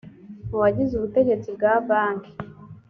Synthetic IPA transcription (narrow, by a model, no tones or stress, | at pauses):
uwaɟizuβute̞ɟe̞t͡sibɡaːbaːŋki̥